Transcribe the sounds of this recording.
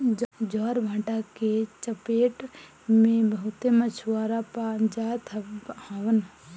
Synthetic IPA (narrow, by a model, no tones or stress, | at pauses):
d͡ʒd͡ʒaːɾbʱãːʈaket͡ʃəpeːʈ | mẽbɐɦʊt̪emət͡ʃʰwaːɾapad͡ʒaːt̪ʰhaːʋən